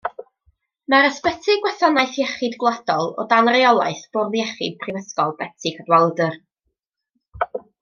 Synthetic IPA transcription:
maɾəspɛtʰɪɡwɛθɔnajθjɛχɨdɡlˠadɔlˠɔ̰danriɔlˠa̰ɨθb̥ʊrðjɛχɪ̰d̥̚pʰrivəskɔlˠbɛtʰɪkʰədwalˠdər

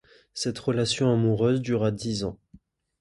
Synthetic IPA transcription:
sɛt̪ʁəlasjɔ̃amuʁøzd̪yʁad̪izɑ̃

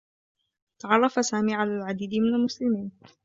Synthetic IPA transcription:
t̪ɑʕɑrˤːɑfasaːmiːʕalaːlʕad̪iːd̪mɪnalmʊslɪmiːn

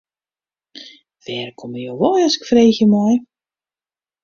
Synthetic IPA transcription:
fɛːrkʰoməjowʋɔjɔsɪ̥kfreːxjəmɔj

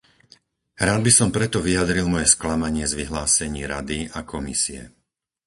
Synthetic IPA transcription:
ɾaːd̪̚bisɔmpɾɛt̪ɔʋijad̪ɾilˠmɔjɛsklamaɲɪɛzʋiɦlaːsɛɲiːɾad̪iakʰɔmḭsiɛ̰

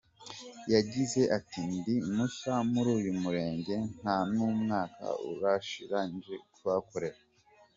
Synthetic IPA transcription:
jaɟize̞ʔatindimusamuɾuːjumuɾe̞ːɲɟe̞ŋ̥hamɲumŋaːka̰ṵɾaʃiɾaːnd͡ʒe̞kuβako̞ɾe̞ɾa

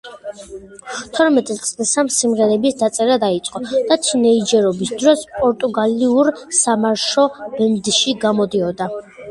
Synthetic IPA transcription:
t̪ʰɔɾmɛt̪ʼit̪sʼlisamsimʁɛɾɛbisd̪at̪sʼɛɾad̪ait̪sʼqʼɔd̪̥at͡ʃ̪ʰinɛid͡ʒɛɾɔbisd̪ɾɔspʼɔɾt̪ʼuɡaliuɾsamaɾʃɔb̥ɛnd̪ʃiɡamɔd̪iɔd̪a

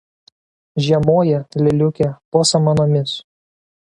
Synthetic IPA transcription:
ʒʲiɛmoːjɛlʲɪlʲʊkʲɛpoːsɐmɐnoːmʲɪs

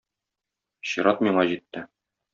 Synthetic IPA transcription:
ɕiɾɑt̪miɴɑʑit̪ːɘ

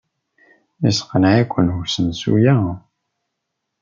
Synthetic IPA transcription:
isqənʕækʷːənhusənsṵjæ

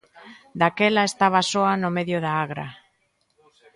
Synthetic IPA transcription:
d̪akelaest̪aβ̞asoanomeðjoðaaɣɾa̰

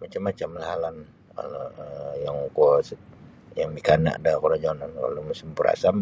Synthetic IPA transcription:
mat͡ʃamːat͡ʃamlaɦalan | ka̰lojaŋkos | jaŋmikana̰ʔdakoɾad͡ʒonanka̰lomusimpuɾa̰sam

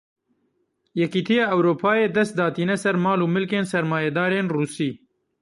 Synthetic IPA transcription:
jɛkiːt̪ʰijɑːɛwɾoːpʰaːjeːd̪ɛst̪̚d̪ɑːt̪iːnɛsɛɾmɑːluːmɨlkeːnsɛɾmaːjɛd̪ɑːɾeːnruːsiː

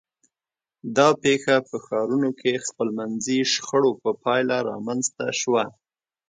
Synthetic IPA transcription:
d̪ɑpexapəxɑɾunokʰexpəlmanziʃxəɽopəpɑjlaɾɑ̰manzt̪aʃwa

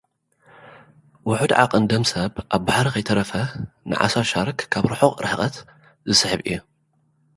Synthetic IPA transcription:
wʊħud̪ʕa̰qʼɨnd̪ɐmsɐβʔaβbaħaɾikʰɐjt̪ʰɐɾɐfɐnɨ̰ʕa̰saʃaɾkkʰaβɾɨħoqʼɾɨħqʼɐt̪ | zɨsɨħɨβʔḭjːu

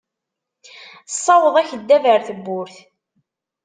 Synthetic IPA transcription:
sˤːɑwəðˤæçəd̪ːævəɾθəbːʊɾθ

